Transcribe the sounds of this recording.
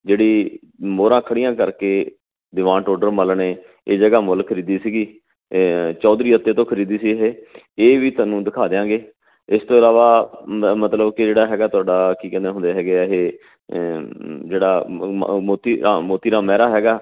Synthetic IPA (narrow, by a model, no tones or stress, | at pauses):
d͡ʒeːɽiː | moːɾãːkʰəɽɪjãːkəɾkeː | d̪ɪʋãːʈoːɖəɾməlɳeː | eːd͡ʒəɡaːmʊlkʰəɾiːd̪iːsiːɡiː | t͡ʃɔːd̪ɾiːət̪ːeːt̪õːkʰəɾiːd̪iːsiːɦeː | eːʋiːt̪ʊaːnũːd̪ɪkʰaːd̪ejãːɡeː | ɪst̪õːɪlaːʋaːmət̪ləbkɪd͡ʒeːɽaːɦɛːɡaːt̪ʊaːɖaːkiːkɛ̃ːd̪eːɦʊ̃nd̪eːɦɛːɡeːɦeː | d͡ʒeːɽaːmoːt̪iːɾamoːt̪iːɾaːmɛːɾaːɦɛːɡaː